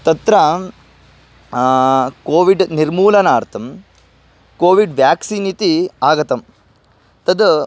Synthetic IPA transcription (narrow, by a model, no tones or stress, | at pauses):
t̪ɐt̪ɾɐ | koːʋiɖniɾmuːlɐnaːɾt̪ʰɐm | koːʋiɖʋjaːksinit̪iaːɡɐt̪ɐm | t̪ɐd̪